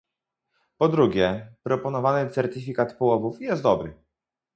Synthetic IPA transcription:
pɔd̪ɾuɡʲɛpɾɔpɔnɔvanɘt̪sɛɾt̪ifʲikat̪pɔwɔvufjɛst̪d̪ɔbɾɘ̰

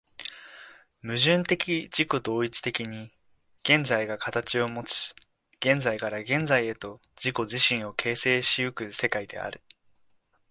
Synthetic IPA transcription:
mɯ̟ʑɨ̃nt̪e̞kʲid͡ʑiko̞d̪o̞ːit͡sɨ̥t̪e̞kʲiɲ̟i | ɡ̥ẽ̞nd͡zaiɡakat̪at͡ɕio̞mo̞t͡si̥ | ɡ̥ẽ̞nzaikaɾaɡẽ̞nd͡zaie̞t̪o̞ | d͡ʑiko̞ʑiɕĩɰ̃o̞kʰe̞ːse̞ːɕiɯ̟kɯ̟se̞kaid̪e̞̰a̰ɾɯ̟

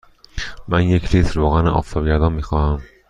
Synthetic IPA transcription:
mænjecʰlit̪ʰɾvoːɣænʔɒ̰ːft̪ʰɒːbɟæɾd̪ɒːnmiːxɒhæm

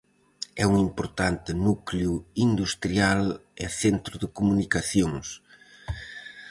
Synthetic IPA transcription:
ɛuŋimpoɾt̪ant̪ɪnukljuind̪ust̪ɾialɛ̰θent̪ɾʊðɪkumunikaθjõŋs

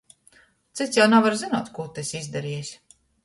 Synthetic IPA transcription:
t̪sit̪sjawnavaɾzinuɔːt̪kuːt̪ɛsʲizd̪aɾiɛsʲ

